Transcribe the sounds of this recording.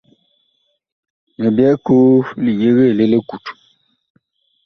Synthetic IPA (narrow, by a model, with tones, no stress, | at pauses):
mə˨bjɛ˦ko˦li˨je˦ɣe˦˨le˦le˦ku˨t